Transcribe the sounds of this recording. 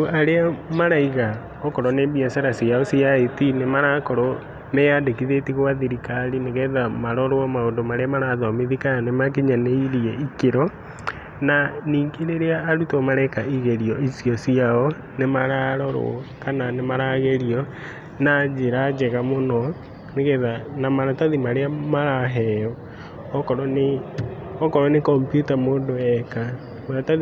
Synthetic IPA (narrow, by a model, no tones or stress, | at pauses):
oaɾeamaɾaiɣa | ɔkɔɾɔneːbiasaɾasiaɔsiaetinemaɾakɔɾɔ | meadekiðetiɣwaðiɾikalineɣɛðamaɾɔɾoɔmaondomaɾeamaɾaðɔmiðikananemak̬iɲaneiɾiɛikeɾɔ | naniːkeɾeɾeaːɾutɔmaɾaikaʔiɣɛɾiɔisijɔsiaɔ | nemaɾaɾɔɾo̰kananemaɾaːɣeɾiɔ | nad͡ʒeɾad͡ʒɛɣamonɔ | neɣɛðanamaɾataðimaɾeamaɾaɦɛɔ | ɔkɔɾɔne | ɔkɔɾɔnekɔmpjutamoːndoɛka | maɾatað